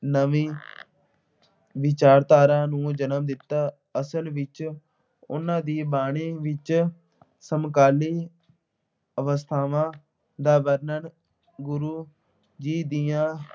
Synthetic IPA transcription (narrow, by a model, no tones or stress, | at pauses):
nəʋĩː | ʋɪt͡ʃaːɾt̪aːɾãːnũːd͡ʒənəmd̪ɪt̪ːaː | əsəlʋɪt͡ʃ | ʊ̰nãːd̪iːbaːɽ̃iːʋɪt͡ʃ | səmkaːliː | əʋəst̪ʰaːʋãː | d̪aːbəɾnən | ɡʊɾuː | d͡ʒiːd̪iːãː